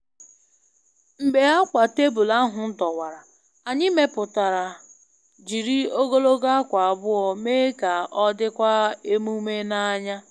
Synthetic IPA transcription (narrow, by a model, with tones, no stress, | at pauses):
m̩˨ɡ͡be˨a˦kʷa˨te˦bu˨la˦ɦʊ˨n̩˦tɔ˨wa˨ɾa˨ | a˨ɲɪ˦me˦pʊ˨ta˨ɾa˨ | d͡ʒi˨ɾi˦o˦ɡo˦lo˦ɡa˦kʷa˨a˨bʊ˦ɔ˨me˦ka˨ʔɔ˦dɪ˦kʷa˦e˦mu˦me˦na˦ɲa˦